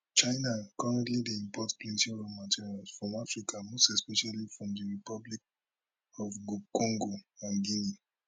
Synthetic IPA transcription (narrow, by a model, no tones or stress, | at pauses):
t͡ʃaɪnakɔɹɛ̃ntlideĩmpʰɔtplĩntĩɹomatʰiɹialsfɹɔ̃mafɹikʰamostɛspɛʃalifɹɔ̃mdəɹipɔblik̚ | ɔvɡukɔ̃ŋɡoãnɡini